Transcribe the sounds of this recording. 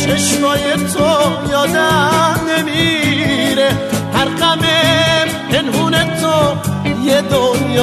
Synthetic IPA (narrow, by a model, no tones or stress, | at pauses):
t͡ʃʰeʃmɔːjet̪ʰo | jɒːd̪anemi | ɾe | hæɾqæme | enɦunet̪ʰojed̪onjː